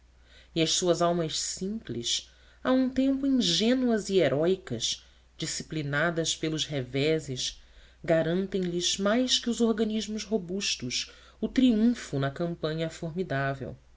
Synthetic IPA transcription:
iɐʃsuɐzawmɐʃsĩmplḭʃ | aũt̪ẽmpʊĩŋʒẽnuɐzieɾʔɔjkɐz | d͡ʒisiplinad̪ɐspelʊʃhevɛzɪʃ | ɡaɾɐ̃nt̪ẽj̃lizmajskɪʊzoɾɡɐniʒmʊzɦobuʃt̪ʊʃ | ʊt̪ɾiũfʊnɐkɐ̃mpɐ̃ɲɐfoɾmid̪avḛw

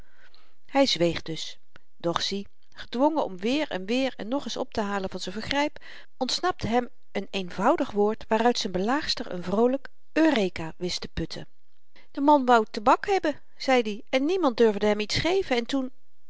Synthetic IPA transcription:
hɛjzʋejχdɵs | d̥ɔχsi | χədʋɔŋəɔ̰mʋɪːɹɛ̰nʋɪːɹɛ̰nːɔχɪsɔ̰p̚təɦaːləvɑnzənvəχrɛjp | ɔntsnɑp̚təɦɛm | ənejnvʌwdəχʋʊːɹtʋaːrœɥtsənbəlaːχstəɹə̰nvrowlək | øːrejkaːʋɪstəpɵtʰə̰ | d̥əmɑnʋɑwtəbɑkɦɛbə | z̥ɛjdiɛnːimɑnt̚døɹvdəɦɛmitsχejvənɛntun

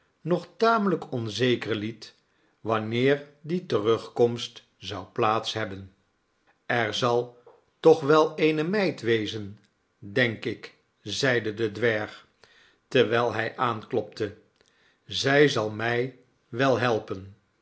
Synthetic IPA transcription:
nɔχtaːmələkɔnzejkəɹlit | ʋɑnɪːɹditərɵχkɔmst | z̥ɑwplaːtsɦɛbən | ɛɹzɑlˠ | tɔχʋɛlˠejnəmɛjtʋejzən | dɛŋkɪk | zɛjdədədʋɛɹχ | təɹʋɛjlˠɦɛjʔaːnklɔp̚tə | zɛjzɑlˠmɛj | ʋɛlˠɦɛlˠpən

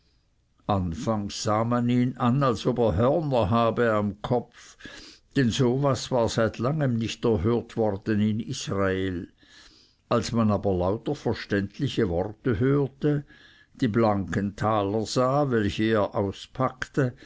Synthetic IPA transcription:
ʔanfaŋsz̥aːmaniːnanalsobeːɐɦœʁnɐɦaːbəamkʰɔfd̥ɛnzoːvasvaːzaɪtʰlaŋəmnɪçtɛɐɦøːɐtv̥ɔʁd̥ənɪnisʁaeːl | ʔalsmanaːbɐlaʊtəfɛɐʃtɛntʰlɪçəvɔrtəɦøːɐtə | d̥iːblaŋkəntʰaːləz̥aːvɛlçəeːɐʔaʊspʰaktə

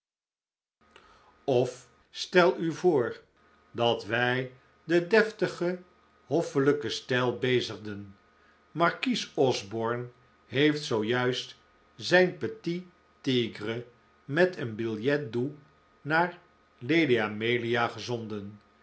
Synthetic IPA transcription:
ɔf | stɛlˠyvʊːɹ | dɑtʋɛj | dədɛftəχə | ɦɔfələkəstɛlˠbejzəχdən | mɑɹkisɔzbɔɹn | ɦejftsowjœɥst | zɛjnpəti | tiɡrə | mɛtənbɪlˠjɛt̚du | naːɹ | lejdiamejliaχəzɔndən

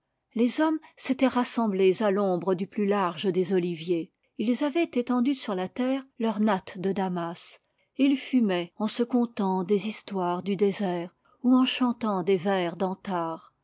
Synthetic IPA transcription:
lezɔmset̪ɛʁasɑ̃blezalɔ̃bʁəd̪yplylaʁʒəd̪ezɔlivje | ilzavɛt̪et̪ɑ̃d̪ysyʁlat̪ɛːʁlœʁnat̪d̪əd̪amas | eilfymɛɑ̃səkɔ̃t̪ɑ̃d̪ezist̪waʁd̪yd̪ezɛːʁ | uɑ̃ʃɑ̃t̪ɑ̃d̪evɛʁd̪ɑ̃t̪aːʁ

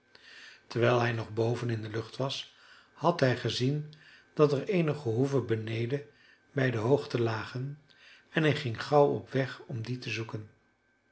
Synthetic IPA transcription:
təɹʋɛjlˠɦɛjnɔχbowvənɪndəlɵχtʋɑs | hɑtɦɛjχəzind̥ɑtɛɹejnəχəɦuvəbənejdə | bɛjdəɦowχtəlaːχən | ɛnɦɛjχɪŋχɑwɔ̰pʋɛχɔmditəzukən

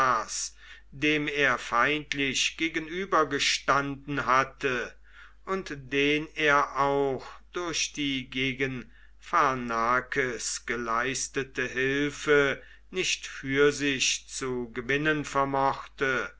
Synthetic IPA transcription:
aːs | d̥eːmeːɐfaɪntlɪɕɡ̥eːɡənyːbɐɡəʃtandn̩ɦatə | ʔʊntd̥eːneːɐʔaʊxd̥ʊɐɕd̥iːɡeːɡən | fanaːkʰəsɡ̥əlaɪstətəɦɪlfə | nɪʃtfyːɐzɪçt͡suɡəvɪnənfɛɐmɔχtə

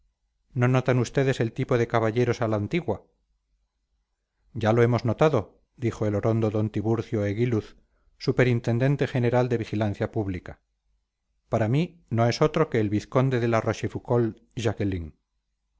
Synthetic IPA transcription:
no̞no̞t̪anust̪e̞ðe̞selt̪ipo̞ðe̞kaβaʎe̞ɾo̞salaːnt̪iɣwa | ɟ͡ʝalo̞e̞mo̞zno̞t̪aðo̞ | d̪ixo̞e̞lo̞ɾo̞nd̪o̞ðo̞nt̪iβuɾθjo̞eɣiluθ | supe̞ɾint̪e̞nd̪e̞nt̪e̞xene̞ɾald̪e̞βixilanθjapuβlika | paɾami | no̞e̞sot̪ɾo̞ke̞ːlβiθko̞nd̪e̞ðe̞laro̞ʃefuko̞l | ʒakeliŋ

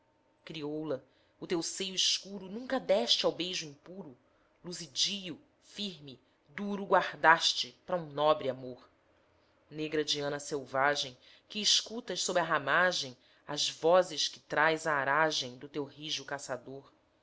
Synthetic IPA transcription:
kɾiowlɐ | ʊt̪ewsejʊiskuɾʊnũŋkɐd̪ɛʃt͡ʃɪawbejʒʊĩŋpuɾʊ | luzid͡ʒijʊ | fiɾmɪ | d̪uɾʊɡwaɾd̪aʃt͡ʃɪpɾɐũnɔbɾɪamoɾ | neɡɾɐd͡ʒiɐ̃nɐsewvaʒẽj̃ | kɪːʃkut̪ɐʃsobɾɪaɦamaʒẽj̃ | a̰zvɔzɪʃkɪ̥t̪ɾajzaːɾaʒẽj̃d̪ʊt̪ewɦiʒʊkasad̪oɾ

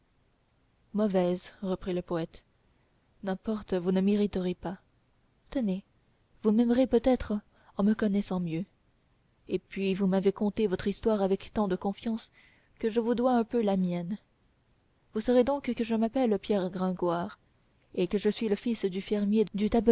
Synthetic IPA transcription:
mɔvɛzʁəpχiləpɔɛt̪ | nɛ̃pɔʁt̪vunəmeʁit̪əʁepa | t̪əne | vumɛmʁepøt̪ɛt̪χ | ɑ̃məkɔnɛsɑ̃mjø | epɥivumavekɔ̃t̪evɔt̪χist̪waʁavɛkt̪ɑ̃d̪əkɔ̃fjɑ̃s | kəʒəvud̪waɛ̃pølamjɛn | vusəʁed̪ɔ̃kkəʒəmapɛlpjɛʁɡʁɛ̃ɡwaːʁ | ekəʒəsɥiləfisd̪yfɛʁmjed̪yt̪ab

